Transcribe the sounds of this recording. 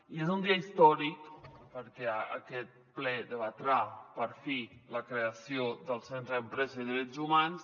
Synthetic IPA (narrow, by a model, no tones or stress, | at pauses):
iezund̪iaist̪ɔɾikpəɾkɛa̰kɛt̪̚plɛd̪əβat̪ɾapəɾfiləkɾeasjod̪əlˠsent̪ɾəəmpɾɛzəiðiɾɛtzumans